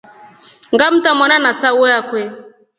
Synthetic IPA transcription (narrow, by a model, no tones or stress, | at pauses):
ŋɡam̩tamɔnanasawɔjakwɛ